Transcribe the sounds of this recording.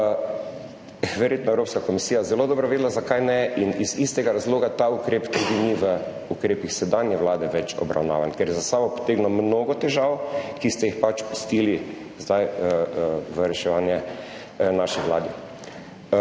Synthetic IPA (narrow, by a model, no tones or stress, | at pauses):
ʋɛɾjeːt̪nɔɛwɾoːpskakɔmisiːjazɛlod̪ɔːbɾɔʋeːd̪lazakajnɛʔinizist̪ɛɡaɾazloːɡat̪aukɾeːpt̪ud̪iniʋə | ukɾeːpixsɛd̪anjɛʋlaːd̪ɛʋɛt͡ʃɔ̰bɾa̰wna̰ːʋankɛɾjɛzasabɔpɔ̥t̪eːɡnɔmnoːɡɔt̪ɛʒawkist̪ɛjixpat͡ʃpu̥st̪iːli | zd̪aj | ʋəɾɛʃɛʋaːnjɛ | naʃixʋla̰ːd̪i